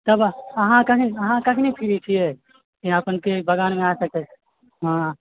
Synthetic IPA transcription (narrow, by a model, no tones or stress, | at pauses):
t̪əbɐɦãkɐɦĩəɦãkɐɦinipʰiɾit͡ʃʰiɛ | kiapənkebəɡaːnmẽaːsɐk̚t̪e | ɦã